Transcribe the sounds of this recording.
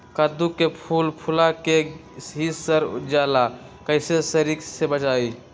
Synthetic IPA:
kəd̪ukepʰulpʰulake | ɦisəɾd͡ʒala | kəɪsesəɾiksebət͡ʃai

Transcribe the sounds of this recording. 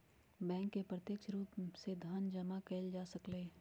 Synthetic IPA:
bɛ̃ːŋkːepɾət̪jəkʃɾuːpsed̪ʱaːnd͡ʒɐmakeːld͡ʒaːsɐkleː

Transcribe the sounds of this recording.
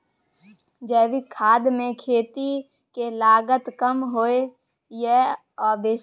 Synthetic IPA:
d͡ʒɛːʋikʰaːd̪mẽkʰeːt̪i | kelaːɡət̪kəmɦoːe | jɛ | ɔːɾbeː

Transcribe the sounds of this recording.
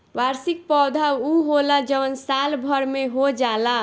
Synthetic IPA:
waɾsik̚pɔd̪ʱauɦolad͡ʒʌwənsalbʱʌɾmeɦod͡ʒala

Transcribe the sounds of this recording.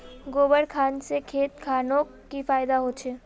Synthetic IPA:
ɡoːbəɽkʰaːnsekʰeːt̪kʰaːnõ | kifaːɪd̪aɦoːt͡ʃʰeː

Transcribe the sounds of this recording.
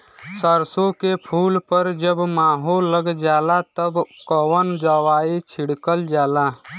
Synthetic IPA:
səɾsõkepʰuːlpəɾd͡ʒəbmaːɦolːəɡd͡ʒaːlat̪əbkəwənd͡ʒəwaːit͡ʃʰiɽkəld͡ʒaːla

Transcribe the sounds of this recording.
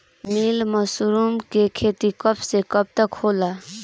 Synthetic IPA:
milməsuɾumkekʰet̪ikʌbsekʌb̚t̪əkhola

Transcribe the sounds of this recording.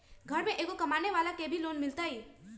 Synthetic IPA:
ɡʱɐɾmẽʔeːkokɐmaːneʋaːlakebʱiloːnmɪlt̪aɦiː

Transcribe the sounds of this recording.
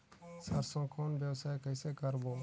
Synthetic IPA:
səɾsõːkʰoːnbjəwsaːjkəɪseːkəɾboː

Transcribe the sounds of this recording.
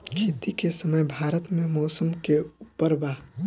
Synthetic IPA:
kʰeːt̪ikesəməjbʱaːɾət̪mẽmɔːsəmkeupːəɾbaː

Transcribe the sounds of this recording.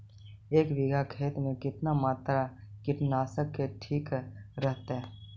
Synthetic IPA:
eːkʋɪɡʱakʰeːt̪mẽkɪt̪namaːt̪ɾakɪʈnaːsəkːeʈʰiːkɾəɦt̪aɦɛː

